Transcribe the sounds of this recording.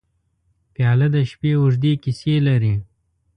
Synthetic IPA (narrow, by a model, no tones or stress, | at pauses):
pjɑːlɐd̪əʃpeːuʐd̪ekiselaɾi